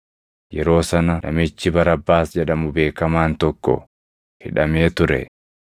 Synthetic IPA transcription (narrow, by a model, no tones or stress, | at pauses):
jɛɾo̞ːsɐnɐnɐ̰mɪt͡ʃːɪbɐɾɐbːaːsd͡ʒɛᶑɐmʊbe̞ːkɐmaːnt̪ɔkːɔ̰ | hɪ̰ᶑɐme̞ːt̪ʊɾɛ̰